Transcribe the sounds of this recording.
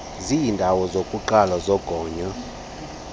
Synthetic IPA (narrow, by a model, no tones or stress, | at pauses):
ziːndʱawɔzokʼuǃalazɔɡ̥ʱɔːɲa